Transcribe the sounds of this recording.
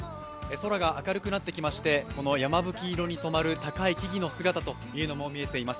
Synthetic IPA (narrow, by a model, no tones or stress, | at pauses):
so̞ɾaɡaakaɾɯ̟kɯ̟nat̪ːe̞kʲimaɕi̥t̪e̞ko̞no̞jamabɯ̟kʲiːɾo̞ɲ̟iso̞maɾɯ̟t̪akaikʲiɡʲino̞sɨɡat̪at̪o̞jɯ̟ːno̞mo̞mʲie̞t̪e̞imasɨ̥